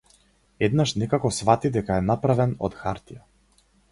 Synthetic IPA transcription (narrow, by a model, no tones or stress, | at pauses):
ɛd̪naʃnɛkakɔsvat̪id̪ɛkaɛnapɾavɛnɔ̰t̪xaɾt̪ija